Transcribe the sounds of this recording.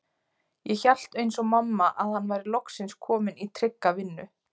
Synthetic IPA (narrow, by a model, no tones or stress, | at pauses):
jɛçal̥t̪ejnsɔmamːaʔaðhanːvajɾɪlɔksɪnskʰɔːmɪnit̪ʰɾɪkːavɪnːʏ